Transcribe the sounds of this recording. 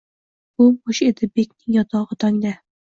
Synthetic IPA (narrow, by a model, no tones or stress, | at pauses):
bʊboʃed̪ɪbekʲnɪŋjɒt̪ʰɒʁɨt̪ʰɒŋd̪a